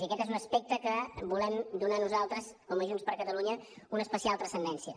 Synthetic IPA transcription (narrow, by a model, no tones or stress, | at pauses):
iəkɛt̪ezunəspek̚t̪əkəbulɛmd̪unanuzalˠt̪ɾəskɔməʒunspəɾkət̪əluɲəunəːspəsialˠt̪ɾəsənd̪ɛnsiə